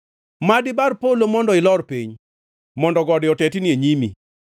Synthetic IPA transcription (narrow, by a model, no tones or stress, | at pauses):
madɪbarpolomɔndɔɪlɔrpiɲ | mɔndɔɡɔdɪɔtɛtinieɲimḭ